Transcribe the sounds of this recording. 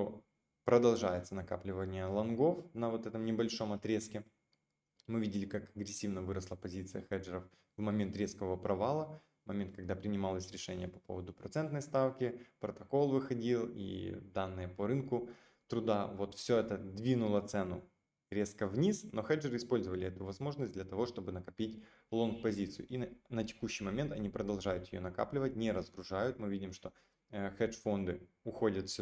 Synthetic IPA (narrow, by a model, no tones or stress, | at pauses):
o | pɾəd̪ɐlˠʐajɪt̪sənɐka̰plʲɪvənʲɪjəlˠɐnɡo̞fnɐvo̞t̪ɛt̪əmnʲɪbɐlʲʂo̞mɐt̪ɾʲe̞skʲɪ | mɨvʲidʲɪlʲɪkakɐɡɾʲɪsʲːivnəvɨɾəslˠəpɐzʲit̪sɨjəxɛd͡ʐəɾəf | vmɐmʲent̪ɾʲe̞skəvəpɾɐvalˠə | vmɐmʲent̪kɐɡ̚d̪apɾʲɪnʲɪmalˠəsʲɾʲɪʂɛnʲɪjəpɐpo̞̰vəd̪ʊpɾɐt̪sɛnt̪nəjst̪afkʲɪpɾət̪ɐko̞lˠvɨxɐdʲilˠḭd̪anːɨjəpoɾɨnkʊ | t̪ɾʊd̪avo̞t̪fsʲɵɛt̪əd̪vʲinʊlˠət̪sɛnʊ | ɾʲe̞skəvnʲisno̞xɛd͡ʐɨɾɨɪspo̞lʲzəvəlʲɪɛt̪ʊvɐzmo̞ʐnəsʲdʲlʲɐt̪ɐvo̞ʂt̪o̞bɨnəkɐpʲitʲ | lˠo̞nkpɐzʲit̪sɨjʊ̰ʔinətʲɪ̥kuɕːijmɐmʲe̞nt̪ɐnʲipɾəd̪ɐlˠʐajʊt̪jɪjonɐka̰plʲɪvətʲnʲɪɾəzɡɾʊʐajʊt̪mɨvʲidʲɪmʂt̪o̞ | xɛʐfo̞nd̪ɨ | ʊxo̞dʲət̪fsʲ